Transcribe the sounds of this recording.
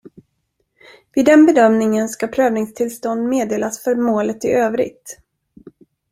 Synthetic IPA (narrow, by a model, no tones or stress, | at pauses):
vɪːd̪ɛnbɛd̪œmnɪŋənskapʰɾøːvnɪŋst̪ʰɪlst̪ɔnd̪meːd̪eːlasfœɾmoːlət̪ɪ̰ʔøːvɾɪ̰ɡ̚t̪